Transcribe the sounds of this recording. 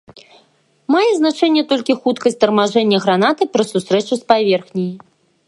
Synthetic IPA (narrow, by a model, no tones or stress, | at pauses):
majɛznat͡ʂɛnʲːɛt̪ɔlʲkʲixut̪kɐsʲt̚ʲt̪ɐrmaʐɛnʲːɐɣɾanat̪ɨpɾɐsust̪ɾɛt͡ʂuspavʲɛrxnʲiji